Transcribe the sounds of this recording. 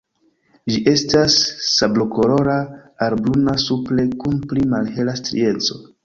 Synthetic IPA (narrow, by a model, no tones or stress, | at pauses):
d͡ʒiʔe̞stasːabloko̞ɾo̞ɾaaɾbɾunasuple̞kunplimalhe̞lastɾḭe̞nt͡so̞